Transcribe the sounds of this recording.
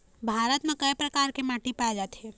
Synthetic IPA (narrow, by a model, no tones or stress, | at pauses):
bʱaːɾət̪mẽkɐjpɾɐkaːɾkemaːʈipaːed͡ʒaːt̪ɦɛː